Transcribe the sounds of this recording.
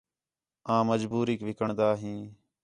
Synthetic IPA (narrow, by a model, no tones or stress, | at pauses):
ãːməd͡ʒbuːɾiːkʋɪkəɳd̪aːɦĩː